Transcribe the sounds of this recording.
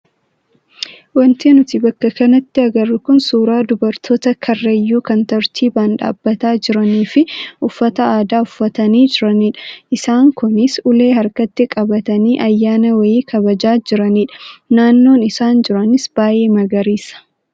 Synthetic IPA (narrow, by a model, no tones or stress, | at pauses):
wɐnt̪eːnʊt̪ɪbɐkːɐkɐnɐt̪ːɪɐɡɐrːʊkʊnsuːɾaːd̪ʊbɐɾt̪ʰo̞ːt̪ɐkʰɐrːɐjːuːkɐnt̪ɐɾt̪ʰiːbaːnᶑa̰ːbːɐt̪aːd͡ʒɪɾɐniːfɪʔʊfːɐt̪ɐaːd̪aːʊfːɐt̪ɐniːd͡ʒɪɾɐniːᶑɐ̥ʔɪsaːŋkʊnɪsʊle̞ːɦɐɾkɐt̪ːɪkʼɐbɐt̪ɐniːʔɐjːaːnɐwɐjiːkʰɐbɐd͡ʒaːd͡ʒɪɾɐniːᶑɐ̥naːnːo̞ːnɪsaːnd͡ʒɪɾɐnɪsb̥aːʔe̞ːmɐɡɐɾiːsɐ̥